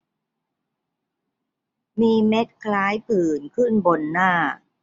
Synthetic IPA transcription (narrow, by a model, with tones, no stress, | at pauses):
miː˧me˦˥t̪̚kʰlaː˦˥jpɯː˨˩nkʰɯ˥˩nbo˧nːaː˥˩